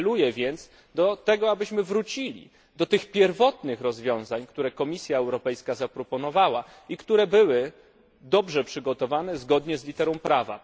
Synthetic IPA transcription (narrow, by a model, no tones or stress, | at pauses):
lujɛvʲjɛnt̪s | d̪ɔt̪ɛɡɔabɘɕmɘvɾut͡ɕilʲḭ | d̪ɔt̪ɘxpʲjɛɾvɔt̪nɘxɾɔzvʲjɔ̃w̃zaɲkt̪uɾɛkɔmʲisʲjaɛwɾɔpɛjskazapɾɔpɔnɔvawa | ikt̪uɾɛbɘwɘ | d̪ɔbʐɛpʂɘɡɔt̪ɔvanɛzɡɔd̪ɲɛzlʲit̪ɛɾɔ̃w̃pɾava̰